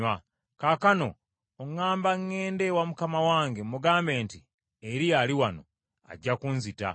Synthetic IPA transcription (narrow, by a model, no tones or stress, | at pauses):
a | kakano̞ː | ŋːaːmbaŋːe̞ːnde̞wamukamawaːŋɡemuɡaːmbe̞ːnti | eɾijaliwano̞̰ | a̰ɟːakunzita̰